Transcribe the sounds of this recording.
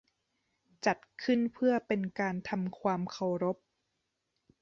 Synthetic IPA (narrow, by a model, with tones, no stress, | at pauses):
t͡ɕa˨˩t̪̚kʰɯ˥˩npʰɯ˥˩ɐpe˧nkaː˧nt̪ʰa˧mkʰwaː˧mkʰa˨˩wɾo˦˥p̚